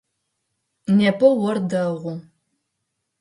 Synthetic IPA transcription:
neːpʰɐwɔrdɐʁʷʊ

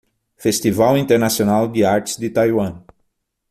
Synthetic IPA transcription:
fest̪ivawĩnt̪eɾnasionawd̪ɪaɾt͡ʃ̪ɪ̥zd̪ɪt̪ajwɐ̃

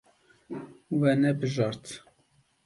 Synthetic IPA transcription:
wɛnɛbɨʒɑɾt̪

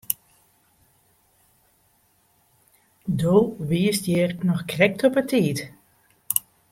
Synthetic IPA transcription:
doːʋiəstjeːrnɔxkrɛk̚tɔpətʰiːt

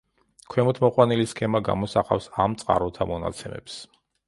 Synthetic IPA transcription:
kʰwɛmut̪ʰmɔqʼwaniliskʰɛmaɡa̰mɔsaqʼa̰fsamt̪sʼqʼa̰ɾut̪ʰamɔna̰t̪sʰɛmɛ̰ps

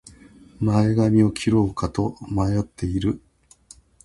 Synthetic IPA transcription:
maeɡamʲio̞kʲʰiɾo̞ːkat̪o̞majo̞t̪ʰːe̞iɾɯ̟

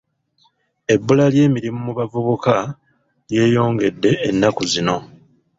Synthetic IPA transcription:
e̞bːulalje̞ːmiɾimumuβavuβuka | lje̞ːjo̞ːŋɡe̞dːe̞ːnːakuzino̞

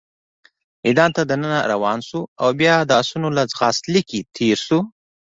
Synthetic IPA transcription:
mid̪ɑnt̪ad̪ənənaɾawɑnsuawbjɑd̪əsunolad͡zɣɑst̪likit̪ʰeɾsu

